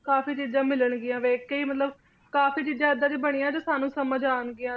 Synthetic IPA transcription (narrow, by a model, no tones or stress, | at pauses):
kaːfiːt͡ʃiːd͡ʒãːmɪləɳɡɪjãːʋeːkəiːmət̪ləb | kaːfiːt͡ʃiːd͡ʒãːəd̪ãːd͡ʒiːbəɽ̃ɪjãːd͡ʒoːsaːnũːsəməd͡ʒaːnɡɪjãː